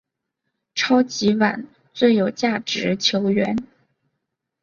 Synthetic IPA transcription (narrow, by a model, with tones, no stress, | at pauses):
ʈ͡ʂʰɑ˥ʊt͡ɕi˧˥wa̰˨˩˦n | t͡swe˥˩ɪjo˨˩ʊt͡ɕja˥˩ʈ͡ʂɻ̩˧˥t͡ɕʰjo˧˥ʊɥɛ˧˥n